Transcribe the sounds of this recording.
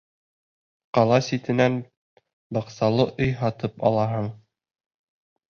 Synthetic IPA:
qɑlˠɑsit̪ɘ̆næn | bɑqsɑlˠɤʔɤjɦɑt̪ɤpɑ̰lˠɑɦɤɴ

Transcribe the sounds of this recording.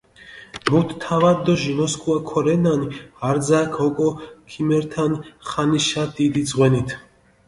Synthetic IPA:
mut̪ʰt̪ʰːavad̪ɔʒimɔskʼuakʰɔɾɛnanihaɾd̪zaːkʰhɔkʼɔkʰimɛɾt̪ʰanχaniʃad̪id̪izʁwɛnit̪ʰ

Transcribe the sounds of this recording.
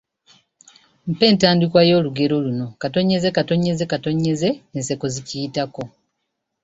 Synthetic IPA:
m̩pe̞ːntaːndikwajo̞ːluɡe̞ɾo̞luno̞kato̞ɲe̞ze̞kato̞ɲe̞ze̞kato̞ɲe̞ze̞ːnse̞ko̞zicijitako̞

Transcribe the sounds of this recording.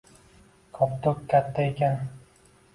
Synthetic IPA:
kʰɒpt̪ʰokʲkʰʲːat̪ʰːaekʲan

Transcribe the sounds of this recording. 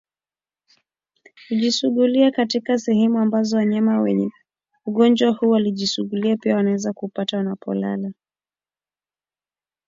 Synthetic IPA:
huʄisuɠuliakatikasɛhɛmuambazɔwaɲamawɛ̰ɲɛ | uɠɔnd͡ʒwahuːwaliʄisuɠuliapiawanawɛzakupatawanapɔ̰la̰la

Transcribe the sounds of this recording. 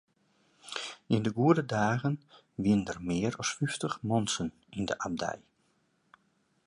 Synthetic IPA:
ɪndəɡuədədaːɣən | ʋiəndərmɪːəɾɔsfyftəχmɔnsən | indəʔab̚dɛ̰j

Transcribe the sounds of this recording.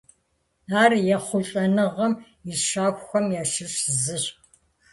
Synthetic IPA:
aːrjɛχʷʊɬʼɐnɨʁɐm | iʃaːxʷxʷɐmjaːʃɨɕzɨɕ

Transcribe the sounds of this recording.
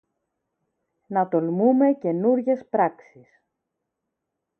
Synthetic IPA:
nɐt̪o̞lmume̞ce̞nuɾʝe̞spɾɐksis

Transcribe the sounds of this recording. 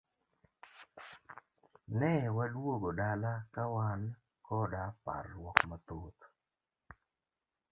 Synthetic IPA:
nɛwalwoɡodalakawan | kɔdapa̰rwɔkmat̪ot̪

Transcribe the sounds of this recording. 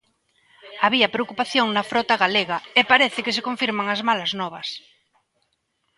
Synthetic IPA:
aβiɐpɾeokupaθjoŋnɐfɾɔt̪aɣaleɣɐepaɾɛθɪkes̬ekoɱfiɾmaŋɐzmalɐznɔβ̞ɐs

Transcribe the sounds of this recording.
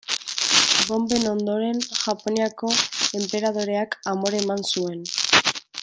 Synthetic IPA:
bo̞mbe̞no̞nd̪o̞ɾe̞nʝapo̞niako̞e̞mpe̞ɾað̞o̞ɾe̞akamoɾemansue̞n

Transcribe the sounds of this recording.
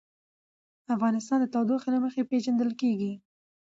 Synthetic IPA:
afɣɑnɪst̪ɑnd̪ət̪ɑwd̪oxlaməxepeʒand̪əlkeɡi

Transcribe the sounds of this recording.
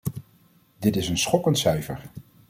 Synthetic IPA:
dɪtɪsənsχɔkəntsœɥfə̰ɹ

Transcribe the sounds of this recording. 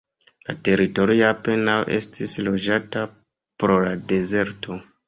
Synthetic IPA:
la̰te̞ɾito̞ɾiape̞nawʔe̞̰stʰislo̞d͡ʒata | pɾo̞lade̞ze̞ɾtʰo̞

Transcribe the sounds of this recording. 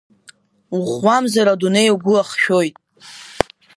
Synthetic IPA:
uχwamzaɾadunejaɡʷʊaχʃᶣo̞jtʼ

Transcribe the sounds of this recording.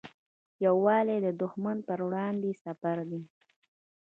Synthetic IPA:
jawːɑled̪əd̪ʊxmanpəɾwɽɑnd̪esafaɾd̪i

